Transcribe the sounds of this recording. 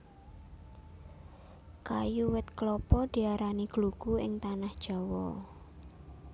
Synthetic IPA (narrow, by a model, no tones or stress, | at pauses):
kajuwɪt̪̚klɔpɔd̪̥i̤aɾaniɡ̥luɡ̥uɪ̰ŋt̪anahd̥ʒ̥ɔ̤wɔ